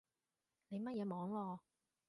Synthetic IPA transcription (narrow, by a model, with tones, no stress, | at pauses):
ne˨˧jmɐ˥t̚jɛː˨˧mɔː˨˥ŋwɔː˧